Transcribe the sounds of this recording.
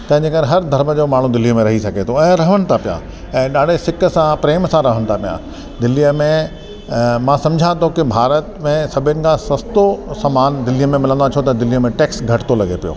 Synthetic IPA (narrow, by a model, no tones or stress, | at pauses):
t̪ɐ̃ɦɪ̃ɲd͡ʑekɐɾeɦɐɾd̪ʱɐɾməd͡ʑoːmaːɳ̤ũd̪ɪlijəmẽɾɐɦisɐɡʱet̪ʰoɛ̃ːɾɐɦənɪ̆t̪ʰapijã̰ | ɛ̃ːɗaːɖ̤ʱesɪkə̆sãpɾeːmsãɾɐɦənɪ̆t̪ʰapijã̰ | d̪ɪlijəmẽ | mãsɐ̃md͡ʑʱãt̪ʰokɪbʱaːɾət̪mẽsɐbʱɪnɪ̆kʰãsɐst̪osɐmaːnd̪ɪlijəmẽmɪlə̃nd̪at͡ɕʰot̪ɐd̪ɪlijəmẽʈeːksɡʱɐʈɪ̥t̪olɐɡepijo̰ː